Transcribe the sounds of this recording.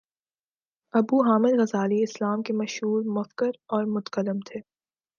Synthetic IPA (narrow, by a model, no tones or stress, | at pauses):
ɐbuɦaːmɪd̪ɣɐzaːliɪslaːmkemɐʃɦuːɾmʊfkəɾɔːɾmʊt̪kəlːɪmt̪ʰeː